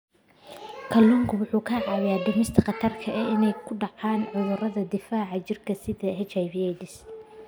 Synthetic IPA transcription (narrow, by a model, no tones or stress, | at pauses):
kʰɐlːʊŋkʰʊwʊħuːkʰɐʕɑːjjaːɖ̪ʊmɪst̪ʰɐqɐt̪ʰɐrkʰɐʔɛɪnɛjkʰʊɖɑʕɑːnʕʊðʊrɐðɐd̪ɪfaːʕɑt͡ʃɪrkʰɐsɪðɐhɛt͡ʃajbɛjd̪ɪs